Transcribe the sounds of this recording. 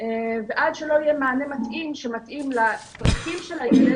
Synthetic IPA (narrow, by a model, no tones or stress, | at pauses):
eveʔadʃelo̞ijemaːnemat̪ʔimʃemat̪ʔimlatʁatimʃelane